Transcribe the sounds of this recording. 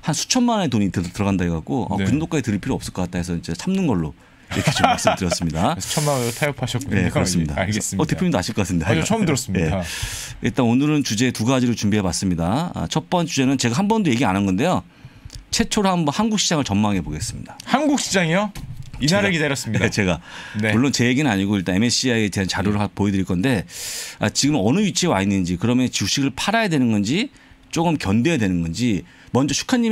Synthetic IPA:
hansʰu̥t͡ɕʰʌnmanetoɲiːt͈etɯɾʌɣandaɡeɡak͈oʌ̰kɯɾɯndok͈ad͡ʑitɯɾɯɭpʰiɾoʌps͈ɯɭk͈ʌk͈at͈ʰaesʰʌint͡ɕe̞sʰamnɯnɡʌɭːo | jek͈ʰet͡ɕustɯɾjʌs͈ɯmɲidaʌmaŋotʰajʌpʰaɕʰʌt̚kuje̞kɯɾʌs͈ɯmɲida̰ɡes͈ʌte̞pʰjoɲindoaɕʰiɭkʌkatʰɯmɲidat͡ɕʰʌmdɯɾʌs͈ɯmɲje̞ | iɭt͈anonɯɾɯnt͡ɕud͡ʑe̞tuɡad͡ʑiɾɯt͡ɕumbiɦe̞was͈ɯmɲidaʌ̰t͡ɕʰʌp͈ʌnt͡ɕud͡ʑe̞nɯnt͡ɕe̞ɡaɦambʌndoje̞ɡiananɡʌnde̞jo | t͡ɕʰe̞t͡ɕʰoɾɯhambʌnhanɡuk̚ɕ͈ʰid͡ʑaŋɯɭt͡ɕʌmmaŋe̞poɡe̞s͈ɯ̥mɲḭdahanɡuk̚ɕ͈ʰid͡ʑaŋijoiɾɡidaɾjʌs͈ɯmɲit͡ɕe̞ɡaneuɭːont͡ɕe̞jeɡinɯnaɲiɡoiɭt͈ane̞me̞ɕ͈ʰiaete̞ɦant͡ɕaɾjuɾɯɭapoedɯɾiɭk͈ʌnde̞a̰t͡ɕiɡɯmɯnʌnɯit͡ɕʰewainːɯnd͡ʑikɯɾʌmjʌnt͡ɕiuɕ͈iɡɯɭpʰaɾajadwe̞nɯnɡʌnd͡ʑi | t͡ɕ͈oɡɯmkjʌnde̞jadwe̞nɯnɡʌnd͡ʑi | mʌnd͡ʑʌt͡ɕʰu̥kʰaɲːi

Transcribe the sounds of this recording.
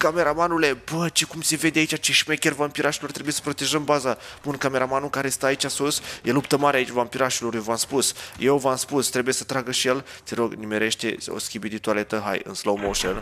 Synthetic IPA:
kame̞ɾamanule̞bət͡ʃekumse̞ve̞d̪eait͡ʃat͡ʃeʃme̞kʲe̞rvampiɾaʃilo̞rt̪ɾebuje̞sə̥pɾo̞t̪e̞ʒəmbazaunkame̞ɾamanukaɾe̞st̪aːit͡ʃʲasusjelupt̪əmaɾeait͡ʃʲvampiɾaʃilo̞rjevamspusjewvamspust̪ɾe̞buje̞sə̥t̪ɾaɡəʃije̞lt̪siɾo̞ɡnimeɾe̞ʃt̪e̞o̰skʲibid̪ʲit̪uale̞t̪əɦa̰jɨ̰nslowmoʃən

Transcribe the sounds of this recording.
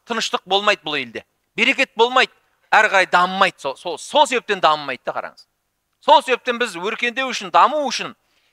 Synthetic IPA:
t̪ʰənəʃt̪əq̚bo̞lˠmɑjd̪əbʊlˠe̞ld̪e̞ | be̞ɾe̞kʲe̞t̪̚bo̞lˠmɑjd̪ə | æɾqɑɾɑjd̪ɑməmɑjd̪sososolˠse̞βe̞p̚t̪e̞nd̪ɑməmːɑjd̪̚d̪ɑqʰɑ̰ɾɑ̰ŋəz̥ | so̞lˠse̞βe̞p̚t̪e̞nbɪzwɵɾkʲe̞nd̪ewʏʃɪnd̪ɑmuʏʃɪn

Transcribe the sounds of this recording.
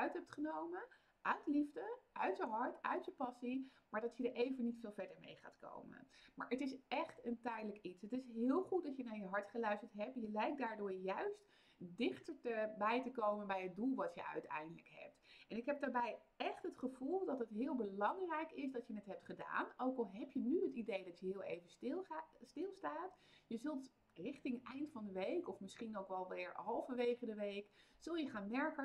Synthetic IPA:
œɥtɦɛp̚tχənowmə | ʔœtlivdəʔœɥtjəɦɑɹtʰœ̰ɥtjəpɑsimaːɹdɑtjədəɹʔejvənitfɪːlˠvɛɹdəɹmḛjχa̰ːtko̰wmə̰nma̰ːɹətɪsɛχtəntɛjdələkitsɦətɪsɦɪːlˠχut̚dɑtjənaːɹjəɦɑɹtχəlœɥstəɹtɦɛp̚tjəlɛjk̚daːɹdʊːɹjœɥst | dɪχtəɹtəbɛjtəkowmənbɛjɦəd̚dulˠʋɑtjə̰œ̰ɥtɛ̰jndələkɦɛ̰p̚tʔɛnɪkɦɛp̚daːɹbɛjɛχtɦətχəv̥ulˠdɑtɦətɦɪːlˠbəlɑŋrɛjkɪsdɑtjənətɦɛp̚tχəda̰ːnʔowkɑlˠɦɛpjənyɦətidejdɑtjəɦɪːlˠḛjvənststɪlˠstaːtjəzɵlˠt | rɪχtɪŋɛjntfɑ̃ndəʋejkɔfmɪsχinowkʋɛlˠʋɪːɹɦɑlˠvəʋejχədəʋejkz̥ɵlˠjəχaːnmɛɹkə

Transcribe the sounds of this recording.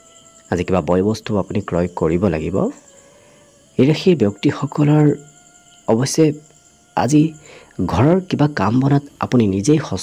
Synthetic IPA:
azikibabɔjɔbɔstʰuapunikɹɔjkoɹibɔla̰ɡibɔ̰ | ejɹaxʰiɹbjɔk̚tixɔkɔlɔɹ | ɔbɔsɛ | a̰zi | ɡʱɔɹɔɹkibakambɔnata̰puninizejxɔ

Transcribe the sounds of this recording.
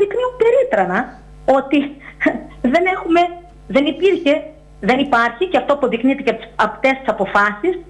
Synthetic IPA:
ðikniumpe̞ɾit̪ɾɐnɐ | o̞t̪i | ðe̞ne̞xume̞ | ðe̞nipiɾçe̞ | ðenipɐɾçiceɐft̪o̞ɐpo̞ðiknit̪iceɐpt̪est̪i̥sɐpo̞fɐsis

